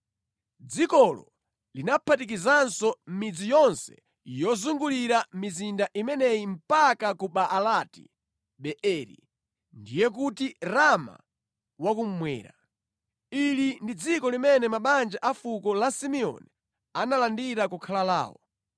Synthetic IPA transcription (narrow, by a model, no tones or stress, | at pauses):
d͡zikɔlɔ̰ | linapʰatik̬izansɔm̩mid͡zijɔnsɛ̥̰ | jɔzuŋɡuliɾamizindaʔimɛnɛim̩pakakuɓaʔːlatḭ | ɓɛʔɛɾḭ | ndijɛk̬utiɾama̰ | wakum̩mwɛ̰ːɾa̰ | ilindid͡zikɔlimɛnɛmaɓand͡ʒaʔafukɔlasimiɔ̰ni | analandiɾakukʰalala̰ːwɔ̰